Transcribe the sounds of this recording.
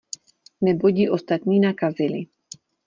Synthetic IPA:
nɛboɟiʔɔst̪at̪ɲiːnakazili

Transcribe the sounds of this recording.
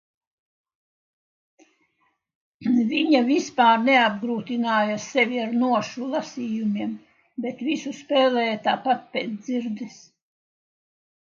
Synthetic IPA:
viɲavispaːɾneab̚ɡɾuːt̪inaːjasɛvʲiaɾnuɔʃulˠasiːjumʲiɛm | bɛt̪visuspɛːlɛːjat̪aːpat̪̚pʲɛːd̪ziɾd̪is

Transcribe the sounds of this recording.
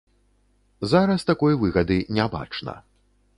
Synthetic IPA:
zaɾɐst̪akɔjvɨɣɐd̪ɨnʲaba̰t͡ʂnɐ̰

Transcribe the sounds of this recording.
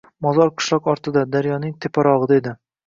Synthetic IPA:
mɒzɒɾqʰɨ̥ʃlˠɒqɒɾt̪ɪd̪ad̪aɾjɒnɪŋt̪ʰepʰaɾɒʁɨd̪ed̪ɪ

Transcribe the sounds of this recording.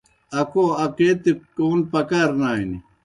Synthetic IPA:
ɐkʰoɐket̪ekoːnpɐkaɾnaːini

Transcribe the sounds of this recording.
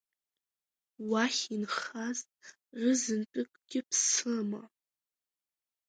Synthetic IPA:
waχʲinχaztʼ | rɨzɨntʼɨkʼɡ̥ʲɪpʰsɨma

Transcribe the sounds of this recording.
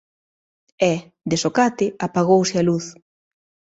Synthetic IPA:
ɛ | d̪esokat̪ɪapaɣ̞owsɪaluθ

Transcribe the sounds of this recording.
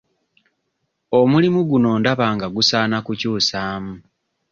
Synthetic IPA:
omulimuɡuno̞ːndaβaːŋɡaɡusaːnakucuːsaːmu

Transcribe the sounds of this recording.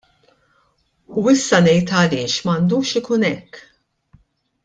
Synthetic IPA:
uɪsːɐnɛjt̪ɐlɪːʃmɐnd̪uːʃɪkuːnɛkː

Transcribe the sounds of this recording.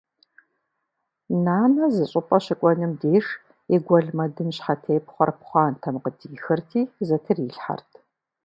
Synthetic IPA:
naːmɐzɨɕʼɪpʼɐɕɪkʷʼɔnɨmdeːʂ | eɡʷɔɮmɐdɨnɕħatʰeːpχʷɐ̰rpχʷɑːntʰɐmqədiːxɐrtʰiːzɐtʰɨriɬħa̰rtʰ

